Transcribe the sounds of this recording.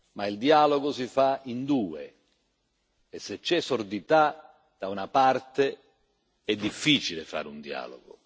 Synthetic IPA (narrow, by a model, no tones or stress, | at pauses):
maild̪iaːloɡʊsifaind̪uːḛ | esːet͡ʃːɛsɔrd̪it̪a | d̪̥aunapart̪e | ɛd̪ːifːiːt͡ʃilɪfa̰ːɾund̪ia̰ːlo̰ɡʊ̰